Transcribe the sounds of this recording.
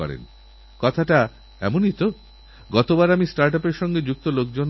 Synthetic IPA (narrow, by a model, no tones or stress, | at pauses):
ɔ̰ɾḛn | kɔt̪ʰaʈa | ɛ̰monit̪o | ɡɔt̪obaɾamisʈaɾʈapeɾʃɔŋɡed͡ʑuk̚t̪olokd͡ʑon